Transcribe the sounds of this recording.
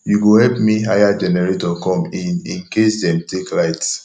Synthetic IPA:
juɡohɛlpmiɦajad͡ʒɛnɛɹetɔkɔ̃mĩnĩnkesdɛ̃mteklaɪts

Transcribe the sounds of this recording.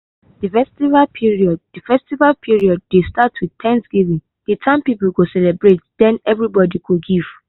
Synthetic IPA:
dɨfɛstivalpʰiɹiɔd̚dəfɛstivalpʰiɹiɔd̚ːestatwiðtʰɛ̃ntsɡ̥ivĩn | d̥etʰãmpipuɡosɛlɛbɹetd̥ɛ̃nɛvɹibɔdiɡuɡiv̥

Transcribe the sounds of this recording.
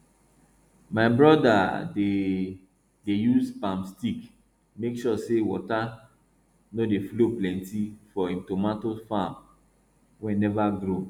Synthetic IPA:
maɪbɹɔdae | dejuspãmstik | mekʃɔsewɔ̰ta | nodefloplɛ̃ntifɔĩmtomatofãm | wɛ̃nɛvaɡɾo

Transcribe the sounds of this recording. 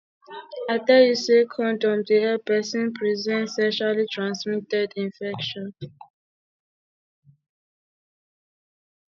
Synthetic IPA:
adɛjusekʰɔ̃ndɔ̃mdeɛpɛsĩnpʰɹizɛ̃ntsɛʃalitʰɹãnsmitɛdĩnfɛkʃɔ̃n

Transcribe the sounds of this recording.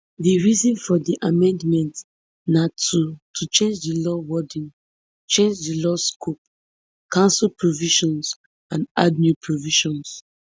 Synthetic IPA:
diɹizĩnfɔdiʔamɛ̃ndmɛ̃nt | natʰutʰut͡ʃẽnd͡ʒdilɔwɔdĩn | t͡ʃẽnd͡ʒdilɔskʰup̚ | kãnsɔlpʰɹoviʃɔ̃ns | ãnadnjupʰɹoviʃɔ̃ns

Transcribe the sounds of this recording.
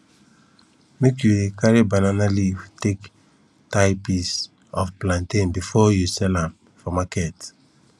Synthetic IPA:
mekjuekaɹibananalitek | taɪpis | ɔfplãntĩnbifɔjusɛlãm | fɔmakɛt

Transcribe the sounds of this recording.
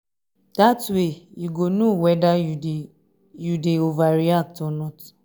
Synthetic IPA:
d̥atweiɡonuwɛda | judeovaɾiak̚tɔnɔt

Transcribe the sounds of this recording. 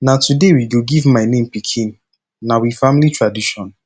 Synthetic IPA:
natudewiɡoɡivmaɪnẽmpikʰĩnː | awifãmlitʰɹadiʃɔ̃n

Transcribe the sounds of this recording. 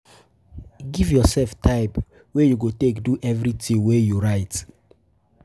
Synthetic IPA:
ɡivjɔsɛlftʰaɪp | wejuɡotekduʔɛvɹitĩŋwejuɹaɪt

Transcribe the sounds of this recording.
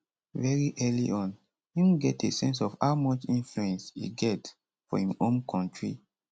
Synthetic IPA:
vɛɹiʔɛlḭʔɔ̃n | hĩmɡɛtesɛ̃nsɔfhaʊmɔt͡ʃĩnfluɛ̃nsḭɡɛt | fɔ̰hĩmõnkʰɔ̃ntɹḭ

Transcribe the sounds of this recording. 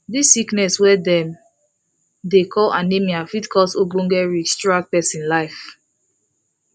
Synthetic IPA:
disːiknɛswɛdɛ̃m | dekʰɔlãnemĩafitkʰɔsoɡõŋɡɛɹistɹak̚pɛsĩnlaɪf

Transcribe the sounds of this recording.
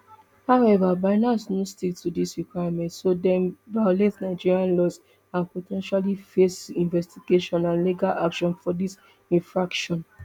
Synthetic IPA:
haʊɛvabaɪnasnostik̚tudisɹikwaamɛ̃ntsodɛ̃nbaletnaɪd͡ʒiɹiãnlɔs | ãnpotʰɛ̃nʃalifesĩnvɛstiɡeʃɔ̃nãnliɡalakʃɔ̃nfɔdis | ĩnfɹakʃɔ̃n

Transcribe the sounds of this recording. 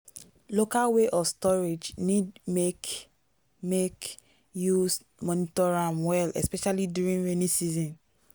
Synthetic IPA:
lokalweʔɔfstɔɹed͡ʒnidmek | mek | jus | mɔnitɔɹãmwɛlɛ̰spɛʃalidjuɹĩnɹenisizɔ̃n

